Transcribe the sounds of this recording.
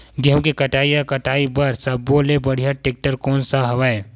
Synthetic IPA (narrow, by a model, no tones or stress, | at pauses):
ɡɛmkekɐʈaːijakɐʈaːibɐɾsɐbːoːlebɐɽ̤ijaʈeːk̚ʈəɾkɔːnsaɦɐʋae